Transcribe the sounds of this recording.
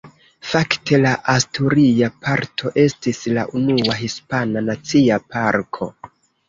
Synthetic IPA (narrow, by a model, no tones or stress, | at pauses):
fakte̞laʔastuɾiapaɾtʰo̞ʔe̞stisla̰ʔunuaɦispananat͡siapaɾkʰo̞